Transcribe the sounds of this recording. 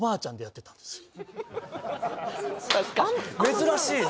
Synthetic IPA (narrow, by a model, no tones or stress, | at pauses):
baːt͡ɕãnd̪e̞jat̪ːe̞t̪ḁ̃nd̪̥esɨ̥ | mme̞zɨɾaɕiː